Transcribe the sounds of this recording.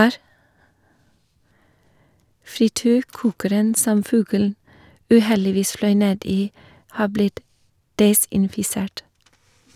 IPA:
fɾɪˈtyːɾˌkuːkəɾən ˈsɔm ˈfʉɡəln̩ ʉːˈhɛlɪˌʋiːs ˈflœʏ ˈneːd ˈiː ˈhɑː ˈblɪt ˈdɛsɪnfɪˌseːʈ

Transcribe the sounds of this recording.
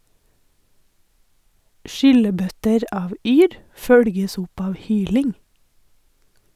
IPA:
ˈʃʏləˌbœtəɾ ˈɑːʋ ˈyːɾ ˈfœɽɡəs ˈʊp ˈɑːʋ ˈhyːlɪŋ

